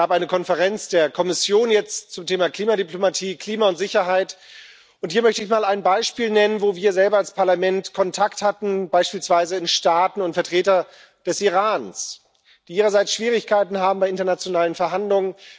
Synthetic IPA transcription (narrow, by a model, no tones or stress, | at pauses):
aːpʔaɪnəkʰɔnfəʁɛnt͡sd̥eːɐkʰɔmɪsjoːnjɛt͡stt͡sʊmtʰeːmakl̥iːmadiplomatʰiːkʰl̥iːmaʊntz̥ɪçɐɦaɪt | ʔʊnthiːɐmœçtəɪçmaːlaɪnbaɪʃpiːlnɛnənvoːviːɐzɛlbɐalspʰaɐlamɛntkʰɔntʰakthatn̩baɪʃpiːlsv̥aɪzəɪnʃtaːtn̩ʊntfɛɐtʁ̥eːtɐ | d̥ɛsʔiʁaːns | d̥iːʔːʁɐzaɪt͡sʃv̥iːʁ̞ɪçkʰaɪtn̩haːbm̩baɪɪntɐnat͡sjonaːlənfɛɐɦandlʊŋən